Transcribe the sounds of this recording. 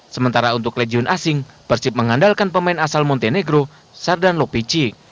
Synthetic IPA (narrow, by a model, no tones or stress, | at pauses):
səmənt̪aɾaunt̪ʊkleɡiʊnʔasɪŋb̥ərsɪp̚məŋandalkanpəmaɪnasalmɔnt̪eneɡɾo | sardanlopit͡ʃi